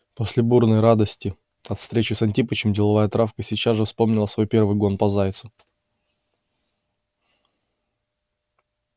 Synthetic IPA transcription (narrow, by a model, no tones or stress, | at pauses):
po̞sʲlʲɪburnəjɾad̪əsʲtʲɪ | ɐt̪fst̪ɾʲet͡ɕɪsɐnʲtʲipət͡ɕɪmdʲɪlˠɐvajət̪ɾafkəsʲit͡ɕazʐɨfspo̞mnʲɪlˠəsvo̞jpʲe̞rvɨjɡo̞npɐzajɪt̪sʊ